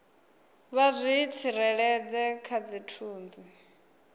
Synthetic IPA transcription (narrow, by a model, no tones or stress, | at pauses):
βazʷiːt͡sʰiɾɛɺɛd͡zɛkʰad͡zitʰuːnd͡zi